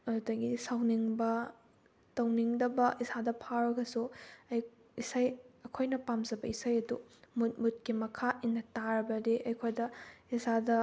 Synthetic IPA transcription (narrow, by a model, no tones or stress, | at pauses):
ɐdɐɡisɐwniŋbɐ | tɐwniŋdɐbɐʔisadɐpʰaɾɐɡɐsuɐj | isajɐkʰojnɐpamzɐbɐisajɐdumut̚mut̚kimɐkʰainːɐtaɾɐbɐdeʔɐjkʰojdɐisadɐ